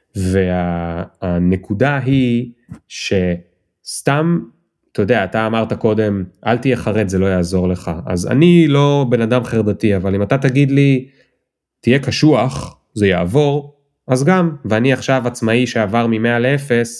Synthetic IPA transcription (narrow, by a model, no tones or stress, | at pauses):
ve̞aː | ne̞kudaɦi | ʃe̞ | st̪am | t̪ojd̪eaːt̪aːmaʁt̪ako̞de̞mʔa̰lt̪ijeχaʁe̞d̪zelo̞jaːzo̞ʁle̞χaʔa̰za̰nilo̞be̞nadamχeʁd̪atiavalimatat̪aɡid̪li | tijekaʃuaχ | zejaːvo̞ʁ | azɡamveaniaχʃavat͡smaiʃe̞avaʁmime̞alee̞fe̞s